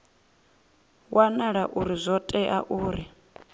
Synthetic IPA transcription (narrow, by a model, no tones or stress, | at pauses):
wʔanaɺaʔuɾizʷɔtʼɛʔaʔuːɾi